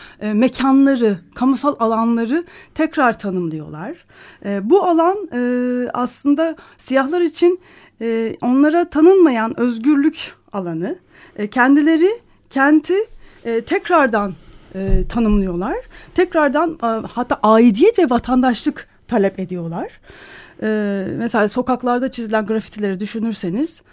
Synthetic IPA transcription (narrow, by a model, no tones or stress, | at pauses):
mecʰanlˠaɾɯkʰamusalˠalˠanlˠaɾɯt̪ʰɛcɾaɾt̪ʰanɯmlˠɯjo̞̰lˠaɾ̥ | bualˠanː | a̰slˠɯnd̪a | sijaɦlˠaɾit͡ʃʰin | o̞nlˠaɾat̪ʰanɯnmajanøzɟyɾlʲyc | alˠanɯ | cʰɛnd̪ilʲe̞ɾɪ | cʰɛnt̪ʰit̪ʰɛcɾaɾd̪anːt̪ʰanɯmlˠɯjo̞lˠaɾ̥t̪ʰɛcɾaɾd̪anhat̪ʰːaːʔaːid̪ijɛt̪vɛvat̪ʰand̪aʃlˠɯk | t̪ʰalʲɛpe̞d̪ijo̞lˠaɾ̥ɛːmɛselʲaːso̞kaklˠaɾd̪at͡ʃʰizilʲænɡɾafi̥t̪ʰilʲe̞ɾid̪yʃynyɾse̞niz̥